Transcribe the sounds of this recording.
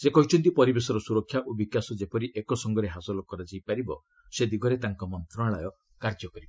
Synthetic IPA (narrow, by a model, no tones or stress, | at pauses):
sekɔɦit͡ʃʰɔnt̪̬ipɔɾibesɔɾɔsuɾɔkʰjaʔobikjasɔd͡ʒepɔɾiʔekɔsɔŋɡɔɾeɦasɔlɔkɔɾad͡ʒajpaɾibɔ | sed̪iɡʱɔɾet̪aŋkɔmɔnt̪ɾɔɽaɭajɔ | kaɾd͡ʒɔkɔɾibɔ